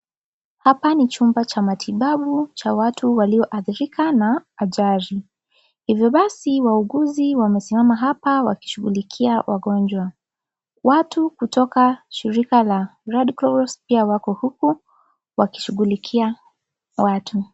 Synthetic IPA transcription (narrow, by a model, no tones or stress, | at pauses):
hapanit͡ʃumbat͡ʃamatʰiɓaɓut͡ʃawatʰuwaliɔʔaθiɾikʰanaːʄaɾi | hivjɔɓasiwauɠuziwamɛsimamaɦapawa̰ki̥ʃuɣulikʰiawa̰ɠɔnd͡ʒwa | watukutɔkaʃiɾikalaɾadklɔɾɔspiawakɔhuku | waki̥ʃuɣulikʰia | watʰu